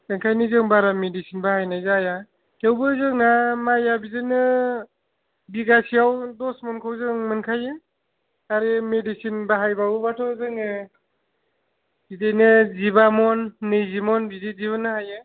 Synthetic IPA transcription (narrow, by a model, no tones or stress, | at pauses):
mɯŋkʰajnɯzɯŋbaɾamedisinbahajnajzaja | tʰewbɯzɯŋnamajabizenɯ | biɡasiawdɔsmɔnkʰawzɯŋmɯnkʰajɯ | aɾemedisinbaɦajbawubatʰɔzɯŋɯ | bidejnɯzibamɔnːɯjzimɔnbideziβɯnːɯhajɯ